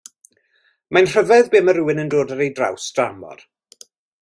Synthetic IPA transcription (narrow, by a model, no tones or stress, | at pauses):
manr̥əvɛðbeːməɾuːɪnəndoːdəɾejdra̰wsd̥ramɔ̰r